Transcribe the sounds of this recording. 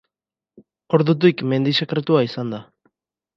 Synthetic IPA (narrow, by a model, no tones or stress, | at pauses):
o̞ɾðut̪̬ikme̞nd̪isekɾet̪uaisand̪a